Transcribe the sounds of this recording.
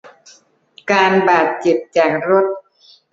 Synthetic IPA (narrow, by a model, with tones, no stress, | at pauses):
kaː˧nbaː˨˩t̪̚t͡ɕe˨˩p̚t͡ɕaː˨˩k̚ɾo˦˥t̪̚